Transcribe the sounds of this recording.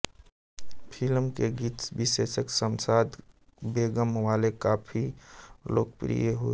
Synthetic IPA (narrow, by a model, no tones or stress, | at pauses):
pʰɪlmkeɡiːt̪bɪʃeːʃəksəmsaːd̪beːɡəmʋaːlekaːpʰilo̰ːkpɾḭjeɦo